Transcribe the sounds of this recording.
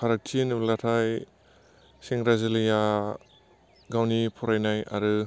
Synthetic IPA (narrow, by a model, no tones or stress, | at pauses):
pʰaɾak̚tʰinɯlatʰaj | siŋɾazelija | ɡawnipʰɔɾajnaja̰ɾɯ